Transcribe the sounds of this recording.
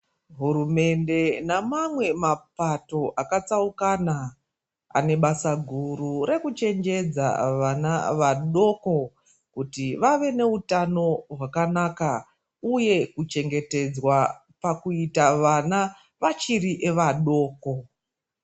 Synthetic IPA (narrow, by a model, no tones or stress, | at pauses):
ɦurume̞nde̞namamwe̞mapato̞ʔakat͡saukana | a̰ne̞ɓasaɡʱurure̞kut͡ʃe̞nd͡ʒe̞d͡za̰ʋanaʋaɗo̞ko̞ | kutiʋaʋe̞ne̞utano̞ɦwakanaka | uje̞kut͡ʃe̞ŋɡe̞te̞d͡zwa | pakuitaʋana | ʋat͡ʃiriʔeʋaɗo̞ːko̞